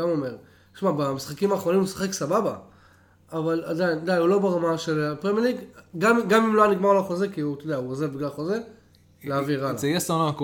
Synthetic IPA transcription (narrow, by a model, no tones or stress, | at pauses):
amome̞ʁ | ʃmabemisχakimaːχʁonimusḁχeksababa | avalad̪aind̪ajulo̞beʁamaʃelpʁemjeliɡɡamɡamimloaniɡmaʁlaχozekiut̪odeauozebiɡlaχoze | leaviʁaljesanaak